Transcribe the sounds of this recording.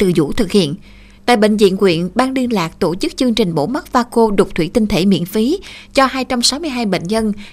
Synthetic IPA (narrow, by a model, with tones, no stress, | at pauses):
ɨ̰˨˩zṵ˧˥t̪ʰɨ˨˩k̚hḭ˧˨ən | t̪a̰ː˧˨jɓḛ˧˨ŋ̟zḭ˧˨ənkwḭ˧˨ənɓaː˧ŋli˧ənlaː˨˩k̚t̪o˧˩t͡ɕɨ˦˥k̚t͡ɕɨ˧əŋt͡ɕï˨˩ŋ̟ɓo̰˧˥mə˦˥t̚vaː˧ko˧ɗo˨˩k͡p̚t̪ʰwi˧˩˦t̪i˧n̟t̪ʰe˧˩mḭ˧˨ənfi˨˦t͡ɕɔ˧haː˧jt͡ɕa˧wmsa˨˦wmɨ˧əjɦaː˧jɓḛ˧˨ŋ̟ɲə˧n